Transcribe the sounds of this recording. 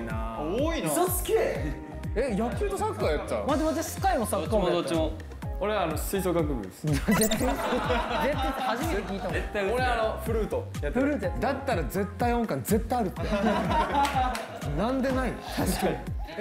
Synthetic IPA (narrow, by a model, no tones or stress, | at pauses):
naoiosɨ̥ke | ejakːit̪osakːaːjat̪ːa̰maːd̪emozesɨ̥kaimosakːaod̪oimo | oɾeːnosɨisoːkãŋkɯkɯd̪eszet̪ːa | zet̪ːat̪ehaʑimekʲiːt̪aet̪ːaoɾeanoɸɯ̟ɾɯːt̪ojat̪ːɾɯd̪at̪ːaɾad͡ze̞t̪ːaiõŋkãnd͡ze̞t̪ːajaɾɯ̟t̪ːe | nãnd̪e̞nainot̪aɕkai